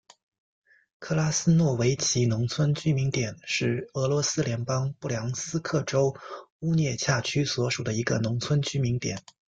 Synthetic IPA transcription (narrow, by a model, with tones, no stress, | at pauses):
kʰɤ˥˩la˥sɹ̩˥nwɔ˥˩we˧˥ɪt͡ɕʰi˧˥nʊ˧˥ŋt͡sʰwə˥nt͡ɕy˥mi˧˥ŋt̪jɛ˨˩nʂɻ̩˥˩ɤ˧˥lwɔ˧˥sɹ̩˥ljɛ˧˥npɑ˥ŋpu˥˩ljɑ˧˥ŋsɹ̩˥kʰɤ˥˩ʈ͡ʂo˥ʊu˥njɛ˥˧t͡ɕʰja˥˩t͡ɕʰy˥swɔ˧˥ʂu˨˩d̪ə˦i˧˥ɡə˧nʊ˧˥ŋt͡sʰwə˥nt͡ɕy˥mi˧˥ŋt̪jɛ˨˩˦n